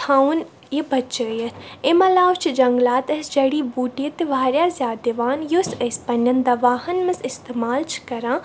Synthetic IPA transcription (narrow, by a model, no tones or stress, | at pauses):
t̪ʰãːun | jibɐtːt͡ʃəːjɐt̪ʰemɐlaːwt͡ʃʰid͡ʒɐŋɡlaːt̪ɐsd͡ʒɐɽiːbuːʈiət̪iʋaːɾjaːzʲjaːd̪iʋaːnjusɐspɐnːɐnd̪ɐʋaːhɐnmɐsɪst̪eːmaːlt͡ʃʰkɐɾãː